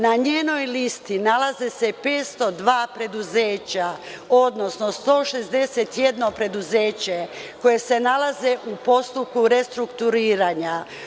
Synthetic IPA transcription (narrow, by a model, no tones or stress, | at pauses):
naɲeːno̞jlist̪inalazese̞pe̞ːt̪st̪o̞d̪ʋaːpɾe̞d̪uzeːt͡ɕa | o̞d̪no̞snost̪o̞ːʃe̞zd̪e̞set̪jed̪no̞pɾe̞d̪uzeːt͡ɕe̞ko̞je̞se̞nalaze̞ʔupo̞st̪up̚kuɾe̞st̪ɾukt̪uɾiːɾaɲa